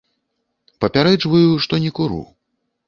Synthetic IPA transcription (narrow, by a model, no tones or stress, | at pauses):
pɐpʲaɾɛd͡ʐvɐjuʂt̪ɔnʲɛkuɾṵ